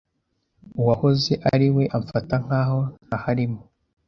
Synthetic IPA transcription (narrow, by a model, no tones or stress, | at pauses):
uwaho̞ze̞ʔaɾiwe̞ʔaɱfataŋ̥haːho̞n̥hahaɾimo